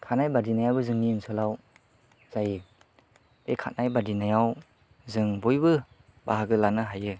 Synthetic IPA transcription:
kʰanajbadinajawbɯzɯŋniɯnsʰɔlaw | z̥ajɯ | bekʰat̚najbadinajaw | zɯŋbujbɯ | baɦaɡɯlanɯɦajɯ

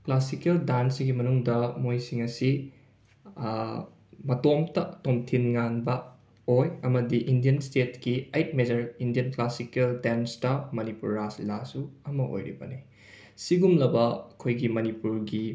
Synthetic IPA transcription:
klasikeldansɡimɐnuŋdɐmojsiŋɐsi | mɐtomtɐtomtʰinŋanbɐ | ojɐmɐdiʔindijɐnstetkiɐjt̚med͡ʒɐɾindijɐnklasikeldenstɐmɐnipuɾːaslasuɐmɐʔo̰jɾḭbɐ̰ni | siɡumlɐbɐɐkʰojɡimɐnipuɾɡi

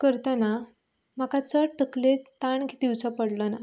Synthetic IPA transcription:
kəɾt̪əna | m̤akat͡səʈəklet̪aɳɡʱit̪iwt͡səpəɽləna

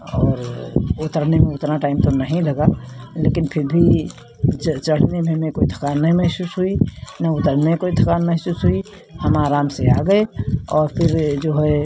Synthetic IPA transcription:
ɔːɾʊt̪əɾnemẽʊt̪ɾaʈaːɪmt̪onəɦĩləɡalekɪnpʰɪɾbʱi | d͡ʒt͡ʃəɽ̤nemẽmẽkoːid̪ʱəkaːnːəɦĩməɦsuːsɦuinəʊt̪əɾnekoid̪ʱəkaːnməɦsuːsɦui | həmaːɾaːmseaɡəeɔːɾpʰɪɾd͡ʒoɦɛ

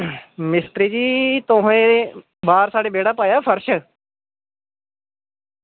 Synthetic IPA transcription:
mɪst̪ɾiːd͡ʒiːt̪oɦẽː | baːɾsaːɽeːbeːɽaːpaːjaːpʰəɾʃ

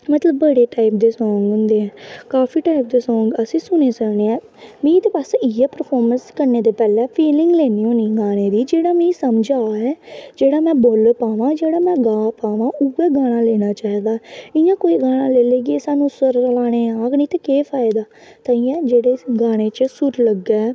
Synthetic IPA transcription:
mət̪ləbːəɽeːʈaːɪp̚d̪eːsɔ̃ːŋɡɦʊ̃nd̪eːɛːkaːfiːʈaːip̚d̪eːsɔ̃ːŋɡəsĩːsʊñeːsəkneːɛ̃ː | mĩːt̪eːpasɪjɛːpəɾpʰɔːɾmənskəɾneːd̪eːpɛːlɛːpʰiːlɪ̃ŋɡleːniːõːniːɡaːɽ̃eːd̪iːd͡ʒeːɽaːmĩːsəmd͡ʒaːɛːd͡ʒeːɽaːmɛ̃ːboːlpaːʋãːd͡ʒeːɽaːmɛ̃ːɡaːpaːʋãːʔʊɛːɡaːɽ̃ãːleːɽ̃aːt͡ʃaːɦiːd̪aːɪjãːkoːiːɡaːɽ̃ãːleːleːɡɪɛːsaːnũːsəɾlaːɽ̃eːaːkniːt̪eːkeːpʰaːd̪aː | t̪aiːɛ̃ːd͡ʒeːɽeːɡaːɽ̃eːt͡ʃəsʊɾləɡɛː

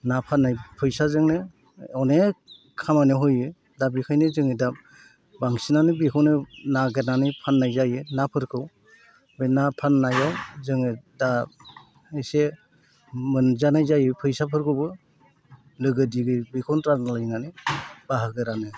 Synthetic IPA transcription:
napʰanːajpʰɯjsazɯŋnɯ | ɔne | kʰamanɯɦɔjɯ | dabikʰajnɯzɯŋɯda | baŋsinanɯbikʰɔwnɯnaɡeɾnanɯpʰanːajzajɯnapʰɯɾkʰɯw | bɯjnapʰanːajawzɯŋɯda | ese | mɯnzanajzajɯpʰɯjsapʰɯɾkʰɯbɯ | lɯɡɯdiɡɯbikʰɔwntɾanalajnanɯbaɦaɡɯɾanɯ

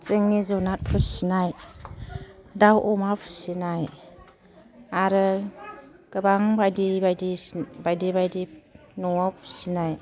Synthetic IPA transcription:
seŋnizɔnat̚pʰusinaj | dawʔɔmapʰsinaj | aɾɯ | ɡ̥əbaŋbajdibajdibajdibajdinɔapʰsinaj

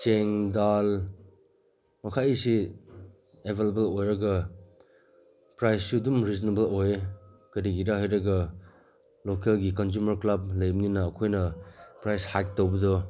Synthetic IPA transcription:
t͡ʃeŋdal | mɐkʰaisi | ebʱelebelojɾɐɡɐ | pɾajsːudumɾiznebɐlojekɐdiɡiɾaɦajɾɐɡɐ | lokelɡik̬ɔns̬umɐɾklab̚lɐjmninɐːkʰojnɐpɾajshak̚towbɐdɔ

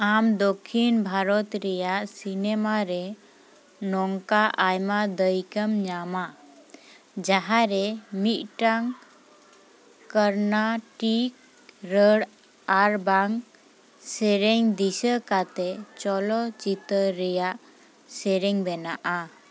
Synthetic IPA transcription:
amd̪ɔkʰːinbʱaɾɔt̪ɾɛjaʔsinɛmaɾɛ | nɔŋkaʔajmad̪əjkəmɲama | d͡ʒaɦaɾɛmit̪̚ʈaŋ | kəɾnaʈik | ɾəɽ | aɾbaŋ | sɛɾɛŋd̪isəkat̪ɛt͡ʃɔlɔt͡ʃit̪əɾːɛjaʔ | sɛɾɛŋbɛnaʔa

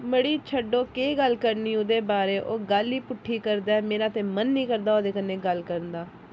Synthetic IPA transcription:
məɽiːt͡ʃʰəɖoːkeːɡəlkəɾniːʊd̪eːbaːɾeːʔoːɡəliːpʊʈʰːiːkəɾd̪aːɛmeːɾãːt̪eːmənːĩːkəɾd̪aːoːd̪eːkənːeːɡəlkəɾənd̪aː

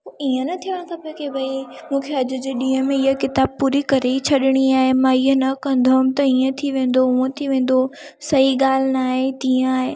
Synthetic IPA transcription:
oiːə̃nɐt̪ʰiʋəɽ̃kʰãːpokʰebʱɐi | mũːkʰeɐd͡ʑʊ̆d͡ʑeɗĩːɦə̃mẽɪɦəkɪt̪aːb̚puːɾikɐɾeit͡ɕʰɐɗɪɽ̃iaːɦemãːiɦənɐkɐ̃nd̪ʱomt̪ɐiːə̃t̪ʰiʋẽːn̆d̪oɦuẽt̪ʰiʋẽːn̆d̪o | sɐiɠaːl̤ɪnaːɦet̪ĩːə̃aːɦeː

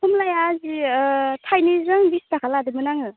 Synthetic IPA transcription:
humlajazitʰajnizɯŋbistakʰaladɯmɯnaŋɯ

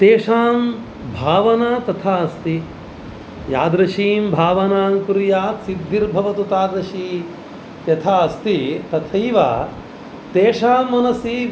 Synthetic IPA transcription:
t̪eːʂaːm | bʱaːʋɐnat̪ɐt̪ʰaːɐst̪i | jaːd̪ɾɐʃiːmbʱaːʋɐnaːmkuɾjaːt̪sid̪ːiɾbʱɐʋɐt̪ut̪aːd̪ɾɐʃiː | jɐt̪ʰaːɐst̪it̪ɐt̪ʰɐjʋa̰ː | t̪eːʂaːmːɐnɐsi

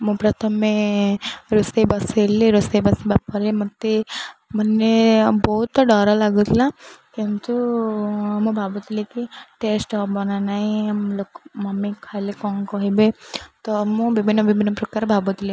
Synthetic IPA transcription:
mũpɾɐt̪ʰəmːẽ | ɾusebɐseleɾusebɐsebapɔɾemət̪ːemənːebɔɦut̪ːɔɖɔɾalaɡut̪ʰlakint̪u | mũbʱabut̪ilekiʈesʈɔbɔnanaɦĩmlokmɐmikʰalekɔnkɔɦibet̪ɔmũbibʱinːɔbibʱinːəpɾəkaɾbʱabut̪ile

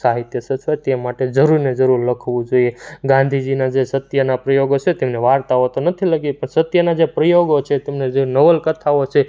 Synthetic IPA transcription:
saɦit̪jəsət͡ʃʰʋat̪emaʈed͡ʒəɾuɾned͡ʒəɾuɾləkʰʋũd͡ʒoieɡãnd̪ʱid͡ʒinad͡ʒesət̪jənapɾəjoɡot͡ʃʰet̪emneʋaɾt̪aɦot̪onət̪ʰiləɡepəɳsət̪jənad͡ʒepɾəjoɡot͡ʃʰet̪emned͡ʒenəʋəlkət̪ʰaot͡ʃʰe

